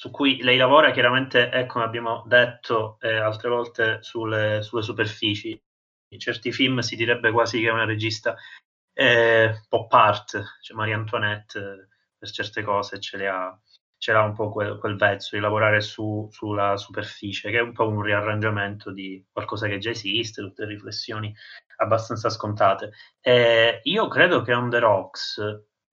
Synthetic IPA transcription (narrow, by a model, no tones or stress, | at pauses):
sukːujlɛjlavɔːɾakjaɾament̪eʔɛkːomeabːjaːmod̪et̪ʰːoɛalt̪ɾevɔlt̪esulːesulːes̬uperfiːt͡ʃi | t͡ʃɛrt̪ifilmsid̪iɾɛbːekwaːzikeɛunaɾed͡ʒist̪a | ɛpɔpːart̪t͡ʃɛmaɾiant̪wanɛt̪ː | pert͡ʃɛrt̪ekɔːset͡ʃːelea | t͡ʃelaumpɔkwelkwelvɛt̪sːod̪ilavoɾaːɾesusulːasuperfiːt͡ʃekɛumpɔunriarːand͡ʒament̪ʰod̪ikwalkɔːzaked͡ʒaezist̪et̪ut̪ːelriflesːjoːni | abːast̪ant̪saskont̪aːt̪e | ɛiːokɾeːd̪okeɔnd̪eɾɔks